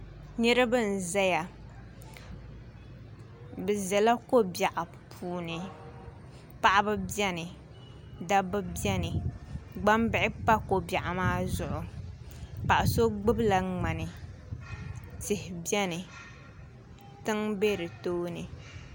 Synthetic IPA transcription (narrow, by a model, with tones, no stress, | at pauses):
ɲɛ˦ɾɨ˦bɨ˦n̩˨za˦ja˨ | bɨ˨zɛ˨la˦ko˦bja˨ʔa˨ | pʰuː˨nɨ˨ | pa˦ʔa˦bɨ˦bjɛ˦nɨ˨ | da˦bɨ˦bjɛ˦nɨ˨ɡ͡ba˦mbɪ˦ʔɪ˦pa˦ko˨bja˨ʔa˨maː˦zʊ˨ʔʊ˨ | pa˨ʔa˨so˦ɡ͡bɨ˦bla˨ŋ͡ma˨nɨ˨ | tɪ˨hɪ˨bjɛ˦nɨ˨ | tɨ˦ŋbe˦ɾɨ˨toː˦nɨ˨